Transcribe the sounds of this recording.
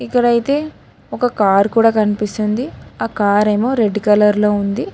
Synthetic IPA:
ikːɐɽɐjt̪e̞ː | ɔkɐkaːɾkuːɽaːkɐnipist̪und̪iaːkaːɾe̞ːmo̞ːɾe̞ɖkɐlɐɾlo̞ːund̪i

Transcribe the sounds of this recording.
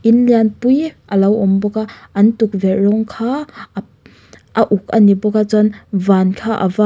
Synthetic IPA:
ʔinlianpujʔɐlɐwɔmbɔkaʔɐntuk̚vɛt̚ɾɔŋkʰaː | ʔɐʔuk̚ɐnibɔkat͡sɔnvankʰaʔa̰va

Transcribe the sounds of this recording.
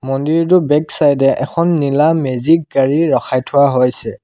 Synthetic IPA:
mɔndiɹtʊbɛksajdɛʔɛ̰kʰɔnːilamezik̚ɡaɹiɹɔxʰajtʰʊwaɦojsɛ

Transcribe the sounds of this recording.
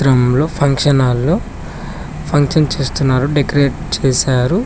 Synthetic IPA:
ɾɐmlo̞ːpʰɐŋkʂɐnaːlːoː | pʰɐŋkʂɐnt͡ʃeːst̪unːaːɾuɖekɾe̞ːʈ̚t͡ʃeːsaːɾu

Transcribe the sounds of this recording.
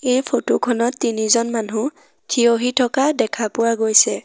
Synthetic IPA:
ejpʰotokʰɔnɔtːinizɔnmanɦu | tʰioɦitʰɔkadɛkʰapʊwaɡojsɛ

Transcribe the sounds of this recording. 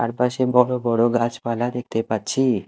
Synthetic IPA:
a̰ɾpaʃebɔɽobɔɽoɡat͡ʃpalad̪ek̚ʰt̪epaɾt͡ɕʰi

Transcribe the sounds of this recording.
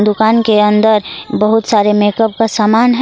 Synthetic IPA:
d̪ʊkaːnkeɐ̃nd̪əɾbəɦʊt̪saːɾemeːkəb̚kasaːmaːnɦ

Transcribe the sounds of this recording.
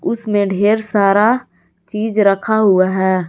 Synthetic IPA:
ʊsmẽɖʱeːɾsaːɾa | t͡ʃiːd͡ʒɾəkʰaɦʊaɦɛː

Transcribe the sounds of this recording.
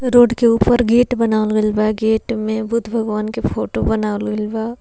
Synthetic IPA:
ɾoːɖkeuːpəɾɡeːʈbɐnaːolɡəlbaɡeːʈmẽbʊt̪ʰbʱɐɡʋaːnkepʰoːʈobɐnaːlɡəlba

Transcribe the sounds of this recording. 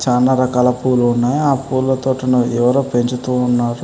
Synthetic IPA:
t͡ʃaːnaːɾɐkaːlɐpuːluːnːaːjaːpuːllɐt̪oːʈɐnuɛʋɐɾoːpe̞ɲt͡ʃut̪uːnːaːɾu

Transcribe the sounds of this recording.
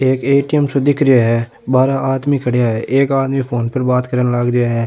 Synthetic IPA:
eːkeːʈiɛmsod̪ɪkʰɾɪjaːɦɛː | baːɾaaːd̪mikʰəɽjaɦɛːʔeːkaːd̪mĩːpʰoːnpəɾbaːt̪kəɾənləɡɾɪjaːɦɛː

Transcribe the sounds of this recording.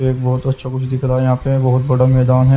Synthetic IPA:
ebɐɦʊt̪ɐtːʃʰakʊt͡ʃʰd̪ɪkʰɾaɦɛjɐɦãːpebɐɦʊt̪̚bɐɽamɛːd̪aːnɦɛ

